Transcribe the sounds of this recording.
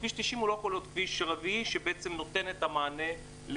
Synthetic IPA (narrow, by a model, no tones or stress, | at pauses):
viʃt̪iʃimulokolot̪kviʃʁaviʃebeʔet͡semno̞t̪e̞net̪amaːne | l